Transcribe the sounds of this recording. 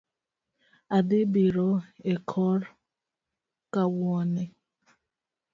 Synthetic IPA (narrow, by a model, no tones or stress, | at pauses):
adɪbiɾɔekʰɔɾɔ | kawɔne